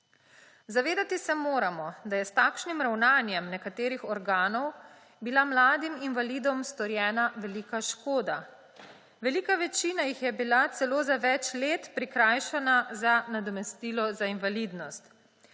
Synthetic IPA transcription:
zaʋeːd̪at̪isɛmoːɾamɔd̪ajɛst̪aːkʃnimɾawnaːnjɛmnɛkat̪eːɾixɔɾɡaːnɔw | bilamlaːd̪iminʋalid̪ɔmst̪ɔɾjɛːnaʋɛlikaʃkoːd̪a | ʋɛliːkaʋɛt͡ʃiːnajixjɛbilat̪sɛloːzaʋɛt͡ʃleːt̪pɾikɾaːjʃɛnazanad̪ɔmɛst̪iːlɔzainʋalid̪nɔst̪

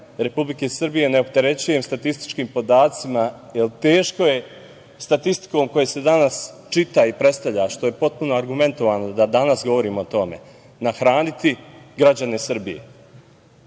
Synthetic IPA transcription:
ɾe̞publike̞sr̩bije̞ne̞o̞p̚t̪e̞ɾe̞t͡ɕujemst̪at̪ist̪i̥t͡ʃkiːmpo̞d̪aːt̪simajelt̪e̞ːʃko̞je̞ | st̪at̪ist̪i̥ko̞mko̞jese̞d̪anas | t͡ʃit̪aipɾe̞t̪st̪avʎaʃt̪o̞je̞po̞t̪̚punoaɾɡume̞nt̪o̞ʋaːno̞d̪ad̪anasɡo̞ʋo̞ɾiːmoot̪o̞me̞̰ | naxɾaːnit̪iɡɾad͡ʑane̞sr̩bijḛ

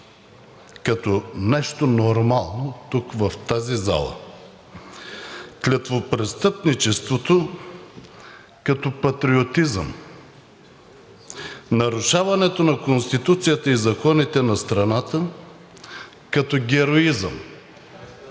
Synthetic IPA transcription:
kɐt̪onɛʃt̪onoɾmalˠnot̪ukvɐft̪aziza̰lˠə̰ | klʲɐt̪vopɾɛst̪ɤpnit͡ʃɛst̪vot̪o | kɐt̪ɔpɐt̪ɾiot̪izə̰m | nɐɾuʃavɐnɛt̪onɐkonst̪it̪ut̪sijət̪əizɐkɔnit̪ɛnɐst̪ɾɐnat̪ə | kɐt̪ɔɡʲɛɾoizə̰m

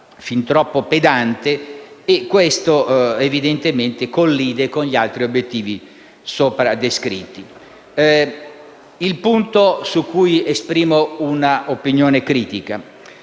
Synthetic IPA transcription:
fint̪ɾɔpːoped̪ant̪eːkːwest̪oevid̪ent̪ement̪ekolːiːd̪ekonʎialt̪ɾiobjet̪ːiːvi | soːpɾad̪eskɾḭt̪ːi | ilpunt̪osukːujespɾiːmounaʔopinjoːnekɾiːt̪ika

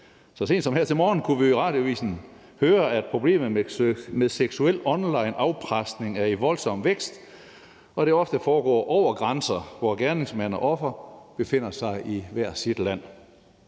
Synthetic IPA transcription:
sɒ̽se̝̰ːn̥sɒmheɐt͡sʰe̝lmɒːn̩kʰuʋiʁɑ̈ːd̥joʋḭːsn̩ | høːɐæd̥̚pʰʁo̝b̥le̝̰ːmð̩ˠmeðˠseɡ̥suel̰ɒ̽nlɑ̈ɪnɑ̈ʊpʰʁasd̥ne̝ŋæɐeʋɒ̽lsɒ̽m̰ʋeɡ̥sd̥ | ɒ̽ɾ̥e̝ɒ̽fd̥əfɒːɡ̥ɒ̰ːʔɒʊ̰ɐɡ̥ʁansɐʋɒɡ̥æɐne̝ŋsmæn̰ɐʔɒ̽fɐb̥e̝fe̝n̰ɐsɑ̈ɪʔiʋæɐ̰̥sid̥læn̰

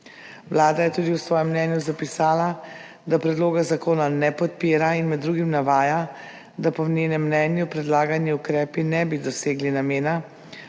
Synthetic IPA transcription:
wlaːd̪ajɛt̪uːd̪iwsʋɔːjɛmːnɛnjuzapisaːla | d̪apɾɛd̪loːɡazakoːnanɛpɔt̪̚piːɾainmɛd̪ːɾuːɡimnaʋaːja | d̪apɔneːnɛmːnɛːnjupɾɛd̪laːɡaniukɾɛːpinɛbid̪ɔseːɡlinameːna

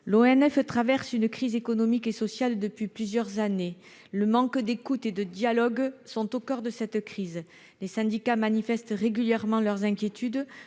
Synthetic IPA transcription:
loɛnɛft̪χavɛʁsynəkχizekɔnɔmikesɔsjald̪əpɥiplyzjœʁzane | ləmɑ̃kd̪ekut̪ed̪əd̪jalɔɡsɔ̃t̪okœʁd̪əsɛt̪kχiz | lesɛ̃d̪ikamanifɛst̪ʁeɡyljɛʁmɑ̃lœʁzɛ̃kʲjet̪yd̪

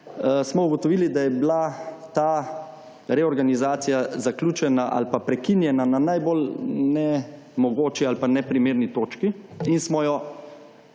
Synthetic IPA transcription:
smɔuɡɔt̪ɔʋiːlid̪ajɛblat̪a | ɾɛɔɾɡanizaːt̪sijazaklʲuːt͡ʃɛnaʔa̰lpapɾɛkinjɛnananajbolnɛ | mɔɡoːt͡ʃialpanɛpɾimeːɾnit̪oːt͡ʃkiinsmɔjɔ

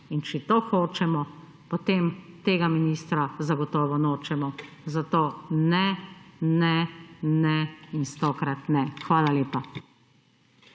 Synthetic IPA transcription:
int͡ʃɛt̪oːxoːt͡ʃɛmɔ | pɔt̪eːmt̪eːɡaminiːst̪ɾazaɡɔt̪ɔːʋɔnoːt͡ʃɛmɔ | zat̪oːnɛnɛnɛist̪oːkɾat̪nɛxʋaːlaljeːpa

